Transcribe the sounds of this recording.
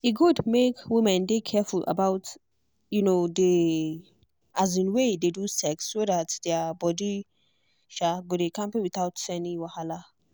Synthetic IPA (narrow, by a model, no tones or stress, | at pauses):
iɡudmekwimɛ̃ndekʰɛfulʔa̰baʊt | junode | ʔazĩnwededusɛksːodatd̥ɛbɔdi | ʃaɡodekãmpẽwit̪awtsɛniwahala